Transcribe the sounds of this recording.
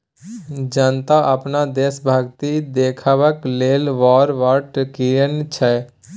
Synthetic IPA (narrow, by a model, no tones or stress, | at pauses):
d͡ʒant̪aʔəpnad̪eːsbʱaːɡt̪id̪eːkʰaʋəkleːlʋɔːɾʋaːɾʈkiɾənt͡ʃʰɛ